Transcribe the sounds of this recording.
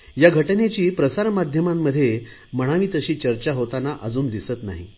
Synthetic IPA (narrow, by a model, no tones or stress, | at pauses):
jaɡʱəʈnet͡ɕiːpɾəsaɾmad̪ʱjəmamːəd̪ʱːje | məɽ̃aʋiːt̪əɕiːt͡ɕəɾt͡ɕaɦot̪anaʔəd͡zuːnd̪isət̪na̰ɦḭ